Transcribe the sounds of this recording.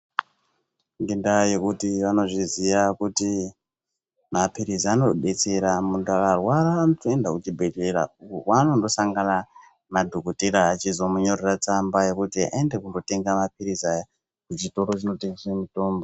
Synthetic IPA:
ŋɡendaje̞kutiʋano̞ʐizijakuti | mapʰiɾiziano̞ɗe̞t͡se̞ɾamuntuakarwaɾanutuendakut͡ʃibʱe̞t͡ʃeɾa̰wano̞ndo̞saŋɡana | madʱukutiɾaːt͡ʃizo̞muɲo̞rerat͡sambajekutiʔendekundo̞te̞ŋɡamapiɾizaja | kut͡ʃito̞ɾo̞t͡ʃino̞teŋɡeswemito̞ːmbo

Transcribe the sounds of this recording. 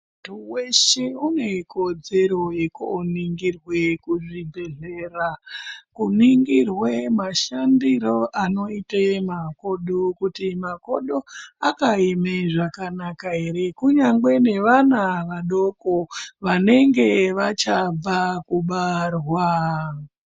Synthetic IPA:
tuweʃeune̞ko̞d͡ze̞ɾo̞jekoniŋɡirwe̞kuʐibʱe̞ɮe̞ːrakuniŋɡirwemaʃandiɾo̞ʔano̞itemako̞ɗokutimako̞ɗoakaimeʐakanakaɦe̞ɾe̞kuɲaŋɡwe̞ne̞ʋanaʋaɗo̞koʋane̞ŋɡe̞ʋat͡ʃab͡vakuɓarwa

